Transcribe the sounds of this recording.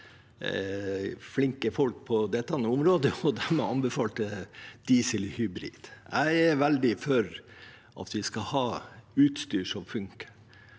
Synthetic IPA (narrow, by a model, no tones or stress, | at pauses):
flɪŋkəfɔlk̚pʰɔd̪ɛt̪ːɑnəʊmɾoːd̪əɔd̪æɾmɛɑnbəfɑːlt̪əd̪̥iːsəlhʏbɾḭːd̪̥jæɪæɾʋæld̪ɪfœɾ | ʔɑ̰t̪ʋɪskɑhɑːʉːt̪st̪yːʂɔmfʉŋkə̥